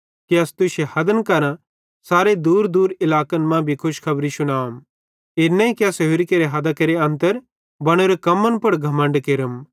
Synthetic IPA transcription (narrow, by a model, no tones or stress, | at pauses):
kiɐst̪ʊʃehɐd̪ənkɐɾã | saːɾed̪uːɾd̪uːɾɪlaːkənmãbʱikʰʊʃkʰɐbɾiʃʊɽ̃aːm | eːɾnɛ̃ĩkjasɐɦuːɾikeɾeɦɐd̪akeɾeɐ̃nt̪əɾ | bɐɽ̃oɾekɐmːənpɐɽɡʱɐmə̃ɳɖkeɾəm